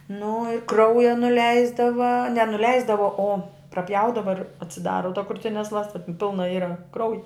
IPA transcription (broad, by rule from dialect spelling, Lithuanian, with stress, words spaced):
nʊ ɪ ˈkrɐʊjɛ nʊˈlʲɛɪzdɐʋɐ nʲɛ nʊˈlʲɛɪzdɐʋɐ oː prɐˈpʲjɛʊdɐʋɐ ɪr ɐtʲsʲɪˈdɑːrɐ tɐ krʊˈtʲɪnʲɛs ˈlˠɑːstɐ ˈpʲɪlˠnɐ ˈiːrɐ ˈkrɐʊjɪ